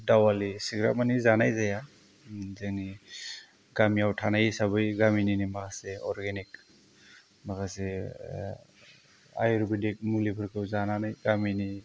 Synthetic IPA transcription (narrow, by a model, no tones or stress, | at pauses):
dawalisiɡɾa̰manizanajzaja | zeŋni | ɡamiawtʰanajsabɯjɡamininimakʰaseɔɾɡenik̚ | makase | a̰jɾubidek̚mulipʰɯɾkʰɯwzananajɡamini